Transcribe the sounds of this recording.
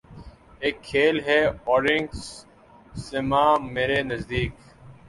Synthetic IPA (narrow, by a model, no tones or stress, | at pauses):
eːkʰːeːlɦeːoːɾɪŋɡs | semãːmeːɾeːnəzd̪iːk